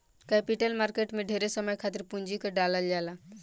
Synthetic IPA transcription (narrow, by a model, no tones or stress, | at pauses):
kɛpiʈelmaɾkeʈmeɖʱeɾesəməjkʰat̪iɾpuɲd͡ʒikəɖaləld͡ʒala